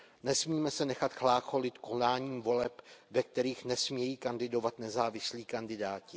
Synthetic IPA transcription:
nɛsmiːmɛsɛnɛxat̪xlaːxo̞lɪt̪ko̞naːɲiːmvo̞lɛpvɛk̚t̪ɛɾiːxnɛsmɲɛjiːkandɪdo̞vat̪nɛzaːvɪsliːkandɪdaːcɪ

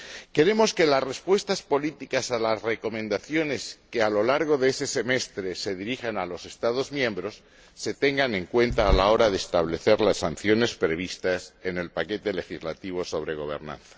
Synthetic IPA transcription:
ke̞ɾe̞mo̞ske̞lasre̞spwe̞st̪aspo̞lit̪ikasalasre̞ko̞mẽ̞nd̪aθjo̞ne̞ske̞alo̞laɾɣ̞o̞ðeese̞se̞me̞st̪ɾe̞se̞ðiɾixanalose̞st̪aðo̞zmjẽ̞mbɾo̞sː | e̞t̪e̞ŋɡane̞ŋkwe̞nt̪aːlao̞ɾaðeːst̪aβ̞le̞θe̞ɾlasːan̟θjo̞ne̞spɾe̞β̞ist̪ase̞ne̞lpake̞t̪e̞le̞xizlat̪iβ̞o̞so̞β̞ɾe̞ɣ̞o̞βe̞̰ɾnã̰nθḁ

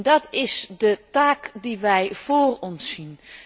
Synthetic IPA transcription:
ndɑtɪsdətaːkdiʋɛjv̥oːrɔnsːin

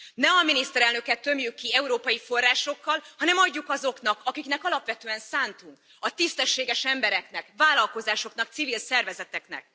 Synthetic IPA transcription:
nɛɒminist̪ɛɾɛlnø̞kɛt̪ːø̞mjykːiɛuɾoːpɒjifo̞rːaːʃo̞kːɒlhɒnɛmɒɟːukɒzo̞kn̪ɒkɒkiknɛkɒlɒpʋɛt̪øːɛnsaːnt̪uŋk | ɒt̪ist̪ɛʃːeːɡɛʃɛmbɛɾɛkn̪ɛkvaːlɒlko̞zaːʃo̞knɒkt̪sivilsɛrvɛzɛt̪ɛknɛ̰k̚

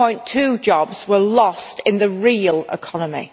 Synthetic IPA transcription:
ɔ̃ɪ̃ntʰʉːd͡ʒɒbz̥wəlɒstɪ̃nðəɹiːəlɪ̰kʰɒnəmḭ

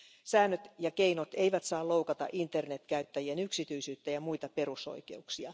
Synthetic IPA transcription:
sæːnːøt̪jɑkeinot̪eiʋæt̪sɑːlowkɑt̪ɑ̰ʔint̪ːe̞rnet̪kæyt̪ːæjienyksit̪yisyːt̪ːæjɑmuit̪ɑpe̞ɾuso̰ijke̞̰uksiɑ

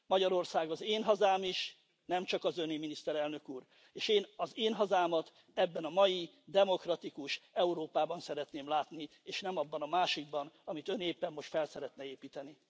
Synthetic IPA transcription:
mɒɟɒɾo̞rsaːɡɒzeːnɦɒzaːmiʃ | nɛmt͡ʃɒkɒzøniminist̪ɛɾɛlnø̞kuːr | eːʃeːnɒzeːnɦɒzaːmɒt̪ | ɛbːɛnɒmɒji | d̪ɛmo̞krɒt̪ikuʃɛuɾoːpaːbɒnsɛɾɛt̪neːmlaːt̪ni | eːʃnɛmɒbːɒnɒmaːʃiɡ̚bɒnɒmit̪ø̞neːpːɛmːo̞ʃt̪fɛlsɛɾɛt̪nɛeːpiːt̪ɛni

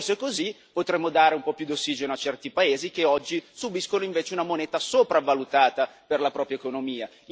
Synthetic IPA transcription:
soekozi | pot̪ɾemːod̪aːɾeumpɔpjud̪osːiːd͡ʒenoat͡ʃɛrt̪ipaeːzik̟eɔd͡ʒːisubiskonoiɱveːt͡ʃeunamoneːt̪asopɾavalut̪aːt̪aperlapɾɔːpɾjaekonomiːa

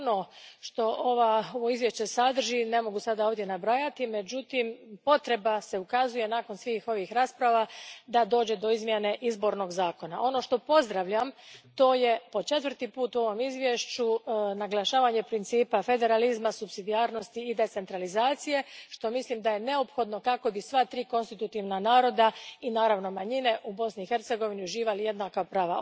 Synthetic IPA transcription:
noʃt̪o̞ʔoʋaoʋoizʋje̞ʃt͡ɕe̞sad̪r̩ʒine̞mo̞ɡusad̪aoːʋd̪je̞nabɾajat̪ime̞d͡ʑut̪impo̞t̪ɾe̞base̞ukazuje̞naːko̞nsʋiːxo̞ʋixɾaːspɾaʋad̪ad̪o̞ːd͡ʑe̞d̪o̞izmjene̞ʔizbo̞ɾno̞ɡzaːko̞naʔo̞no̞ʃt̪o̞po̞zd̪ɾaʋʎamt̪o̞ːje̞po̞t͡ʃe̞t̪ʋrt̪ipuːt̪uo̞ʋo̞mizʋje̞ʃt͡ʃunaɡlˠaʃaːʋaɲe̞pɾint̪siːpafe̞d̪e̞ɾalizmasupsid̪iaːɾno̞st̪iːd̪e̞t̪se̞nt̪ɾalizaːt̪sije̞ʃt̪o̞mislimd̪aje̞ne̞o̞pxo̞d̪no̞kako̞bisʋat̪ɾiːko̞nst̪it̪ut̪iʋnanaːɾo̞d̪ainaːɾaʋno̞maɲine̞ʔubo̞sniixe̞ɾt̪se̞ɡo̞ʋiniuʒiːʋalije̞d̪nakapɾaːʋa

